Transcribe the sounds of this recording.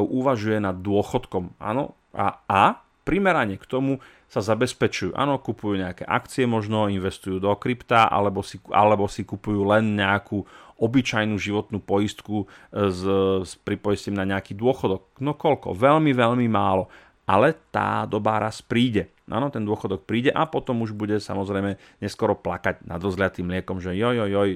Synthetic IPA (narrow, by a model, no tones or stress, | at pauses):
ʊʔuʋaʒujɛnad̪̚ːʊɔxɔt̪kɔma̰ːnɔ̰ | aa | pɾimɛɾaɲɛkt̪ɔmu | sazabɛspɛt͡ʃujṵːʔa̰ːnɔkupujuːɲɛakɛ̰ːʔa̰kt͡siɛmɔʒnɔinʋɛst̪ujuːd̪ɔkɾipt̪aʔa̰lɛbɔsia̰lɛbɔsikupujuːlɛnɲɛakuːɔbit͡ʃajnuːʒiʋɔt̪nuːpɔjist̪kuzspɾipɔjiscɛmnaɲɛakiːd̪ʊɔxɔd̪ɔk̚nɔkɔʎkɔ̰ʋɛʎmiʋɛʎmimaːlɔ | ʔalɛt̪a̰ːd̪ɔbaːɾaspɾiːɟɛ | ʔa̰ːnɔt̪ɛnd̪ʊɔxɔd̪ɔk̚pɾiːɟɛʔapɔt̪ɔmuʒbuɟɛsa̰mɔzɾɛjmɛ | ɲɛskɔɾɔplakaɟna̰d̪ɾɔzɦlɪjat̪iːmlɪɛkɔmʒɛjɔjɔjɔj